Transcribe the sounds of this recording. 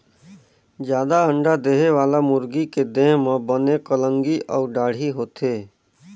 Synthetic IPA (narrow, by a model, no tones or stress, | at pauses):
d͡ʒjaːd̪aə̃ɳɖad̪eːɦeʋaːlamʊɾɡiked̪ẽːɦmə̃bənekələ̃ŋɡiʔɔːɾɖaːɽ̤iɦoːt̪eː